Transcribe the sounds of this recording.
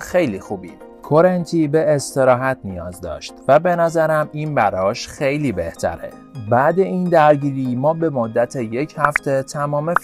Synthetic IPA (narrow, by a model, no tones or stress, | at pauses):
xe̞jliːxuːbḭ | kʰoɾent̪ʰiːbe̞ːst̪e̞ɾɒːɦæt̪ʰnijɒ̰ːzd̪ɒ̰ːʃt̪væbe̞næzæɾæmiːnbæɾɒːʃxe̞jliːbe̞ht̪ʰæ̰ɾḛ | bæːd̪e̞ind̪æɾɟiːɾiːmɒːbe̞mod̪ːæt̪ʰeje̞cʰhæft̪ʰe̞t̪ʰæmɒːmef